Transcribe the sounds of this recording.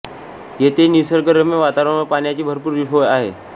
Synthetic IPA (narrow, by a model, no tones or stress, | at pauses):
jet̪enisəɾɡəɾəmeʋat̪aɾəɳəpaɳjat͡ɕiːbʱəɾpuːɾʋiʈʰojaɦḛ